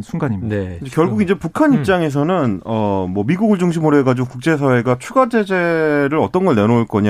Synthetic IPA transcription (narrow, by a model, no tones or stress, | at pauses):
nsʰunɡaɲimiekd͡ʑekjʌɭɡuɡind͡ʑe̞pukʰaɲip̚t͡ɕ͈aŋe̞s̬ʰʌnɯnʌmwʌmiɡuɡɯɭd͡ʑuŋɕ̬ʰimɯɾoɦeɡad͡ʑiɡokuk̚t͡ɕ͈e̞sʰawe̞ɡat͡ɕʰuɡad͡ʑe̞d͡ʑe̞ɾɯɾʌt͈ʌnɡʌɭnenouɭk͈ʌɲa